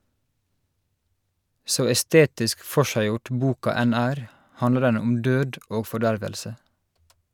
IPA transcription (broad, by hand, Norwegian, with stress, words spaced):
ˈsoː ɛˈsteːtɪsk ˈfɔʃæɪˌjʊʈ ˈbuːkɑ ˈæn ˈæːɾ ˈhɑndlə ˈɖɛn ˈʊm ˈdøːd ˈoː fɔˈɖæɹʋəlsə